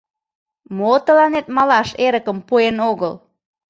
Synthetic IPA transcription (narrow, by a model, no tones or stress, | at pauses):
mot̪əlɑnet̪mɑlɑʃeɾəkəmpuenoɣəl